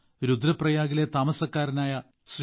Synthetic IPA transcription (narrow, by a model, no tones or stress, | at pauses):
ɾud̪ɾɐprɐjaːɣile̞t̪aːmɐsɐkːaːɾɐnaːjɐ | sr